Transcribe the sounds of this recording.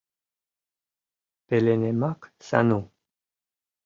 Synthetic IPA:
pelenemaksa̰nu

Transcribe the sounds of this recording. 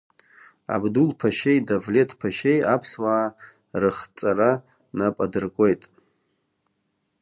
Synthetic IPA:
a̰bdulpʰaʃe̞jdavle̞tʰpʰaʃe̞japʰswaː | rɨχt͡sʼaɾa | napʼadɨrkʷʼe̞jtʼ

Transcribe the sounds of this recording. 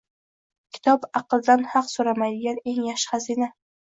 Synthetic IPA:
kʲʰɪ̥t̪ʰɒbɑqɨlˠd̪anhɑqsoɾamajd̪ɪɡʲane̞ŋjaʃχazina

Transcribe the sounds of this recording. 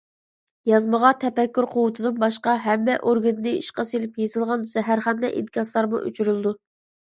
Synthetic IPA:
jɑzməʁɑt̪ʰɛpɛkʲːyɾqʰowʊt̪ʰɨd̪ɨnbɑʃqɑɦɛmːɛʔoɾɡɪnnɨiʃqɑsilɪpjezɨlˠʁɑnz̥ɛɦæɾχɑnd̪ɛʔḭd̪kɑslˠɑɾmṵʔy̰t͡ʃʰyɾylɨd̪u

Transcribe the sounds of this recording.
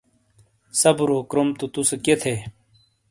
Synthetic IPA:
sɐbɾoːkɾomt̪ut̪useket̪ʰeː

